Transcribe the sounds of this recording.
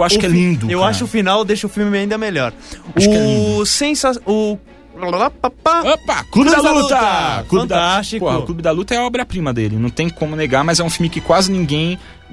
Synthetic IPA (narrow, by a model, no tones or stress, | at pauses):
waʃʊkɛlĩd̪ʊewwaʃʊʊfinawd̪eʃɐʊfiwmɪaĩnd̪ɐmeʎɔɾaʊʃkɛlĩsẽsasʊ | apapaapaklubɪd̪alut̪ɐklũbɪd̪aast͡ʃipohɐʊklubɪd̪alut̪ɐɛɐɔbɾɐpɾĩmɐd̪elɪnɐ̃w̃t̪ẽj̃kõmʊneɡaɾmɐzɛũfimɪkɪkwazɪnĩŋɡẽj̃